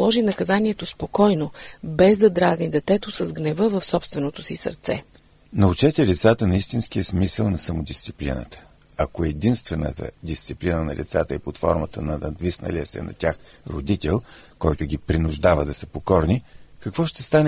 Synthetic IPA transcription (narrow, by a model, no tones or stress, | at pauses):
lˠɔʒinɐkɐzaniɛt̪ospokɔjnobɛzd̪ɐd̪ɾaznid̪ɛt̪ɛt̪osɐzɡnɛvɤvəfsɔpst̪vɛnot̪osisə̰ɾt̪sɛ̰ | nɐut͡ʃɛt̪ɛlʲit̪sat̪ənɐist̪insk̟ijəsmisəlˠnɐsɐmʊd̪ist̪si̥plḭnə̰t̪ə̥ | ɐkoɛd̪inst̪vɛnə̰t̪ə̰d̪ist̪siplinənɐ̰lʔḭt̪sat̪əipot̪fɔ̰ɾmət̪ənɐnɐd̪visnə̰lʲiəsɛ̰nɐ̰t̪ʲaxɾod̪it̪ɛlˠkɔjt̪ʊɡʲipɾinʊʒd̪avəd̪ɐsəpokɔɾnikɐkvɔʃt̪ɛst̪anɛ